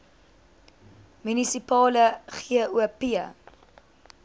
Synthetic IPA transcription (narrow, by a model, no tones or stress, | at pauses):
mynisipɑːləχiəuəpiə̰